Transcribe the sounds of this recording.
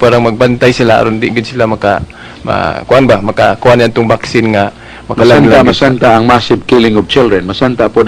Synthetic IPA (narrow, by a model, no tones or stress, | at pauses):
paːɾaŋmaɡ̚bant̪ajsɪlaʔa̰ɾond̪ɪʔɡɪd̪sɪlamaka | ma̰kʊʔanbamakakʊʔanat̪ʊŋbaksɪnŋa | mɐkkalanlaamasant̪aːŋmasɪvkilɪŋɔvt͡ʃɪldɾɛnmasant̪apʊd